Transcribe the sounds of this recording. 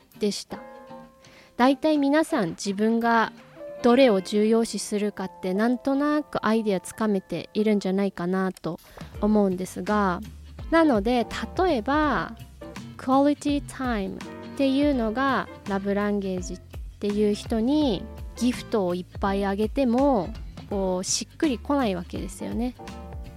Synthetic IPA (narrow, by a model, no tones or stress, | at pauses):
d̪̥e̞ɕi̥t̪a | d̪̥ait̪aimʲinasãɲd͡ʑibɯ̟̃ŋɡad̪̥o̞ɾe̞o̞ʑɨːjo̞ːɕisɨɾɯ̟kat̪ːe̞nãnt̪o̞nakɯ̟ʔaid̪eat͡sɨ̥kame̞t̪e̞̰iɾɯ̟̃ɲ̟d͡ʑanaikanat̪o̞ː | mo̞ɯ̟̃nd̪e̞sɨɡanano̞d̪e̞t̪ʰat̪o̞e̞ba | kɯ̟alʲit̪ʲit̪ʰaimɯ̰t̪e̞jɯ̟ːno̞ɡaɾabɯ̟ɾãŋɡe̞ːʑit̪ːe̞jɯ̟ːçi̥t̪o̞ɲ̟iɡ̥ʲiɸɯ̟̥t̪o̞ːipːaiaɡe̞t̪e̞mo̞ko̞ːɕikːɯ̟ɾʲiko̞naiβake̞̰d̪e̞sɨjo̞̰ne̞